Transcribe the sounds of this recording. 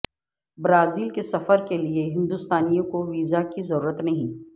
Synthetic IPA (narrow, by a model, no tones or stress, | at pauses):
bɾaːziːlkesɐfəɾkelieɦɪ̃nd̪ust̪aːnijõkoʋiːzakizɐɾuːɾət̪nɐɦĩː